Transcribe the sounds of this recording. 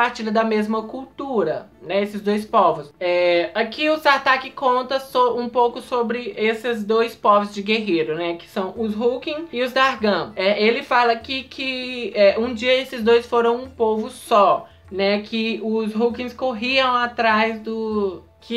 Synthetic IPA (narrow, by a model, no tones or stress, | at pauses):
aɾt͡ʃilɐd̪ɐmezmɐkuwt̪uɾɐnɛesɪzd̪ojspɔvʊsɛakiʊst̪aɾt̪akɪkõnt̪ɐsoũpowkʊsobɾɪʔesɪzd̪ojspɔvʊzd͡ʒɪɡeɦeɾʊnɛkɪ̥sɐ̃w̃ʊzɦukĩɪʊzd̪aɾɡɐ̃ɛʔelɪfalɐkɪkʰɪɛʔũd͡ʒiɐesɪzd̪ojsfoɾɐ̃w̃ũpovʊsɔ | nɛkʰɪʊzɦukĩskoɦiɐ̃w̃at̪ɾajzd̪ʊ | kɪ